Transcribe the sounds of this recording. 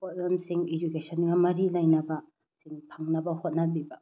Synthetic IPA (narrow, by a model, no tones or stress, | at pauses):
pot̚lɐmsiŋed͡ʒukesʰɐnɡɐmɐɾilɐjnɐbɐ | siŋpʰɐŋnɐbɐhot̚nɐbibɐ